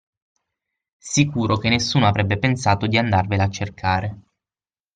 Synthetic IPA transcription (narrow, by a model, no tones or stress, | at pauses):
sikuːɾok̟enːesːuːnoavɾɛbːepensaːt̪od̪iand̪arvelat͡ʃːerkʰaːɾe